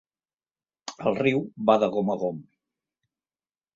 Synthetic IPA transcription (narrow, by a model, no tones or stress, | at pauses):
əlˠriwβaðəɣoməɣom